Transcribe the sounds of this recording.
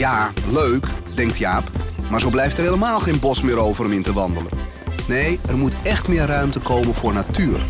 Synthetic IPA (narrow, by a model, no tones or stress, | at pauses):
jaløɥkdɛŋk̚tjaːpmaːɹzowblɛjftɛrɦeːləmaːlˠxejnbɔsmɪːɾowvəɾəmɪntəʋɑndələn | nejərmutɛxtmɪːrrœɥmtəkowmənvʊːrnatyːr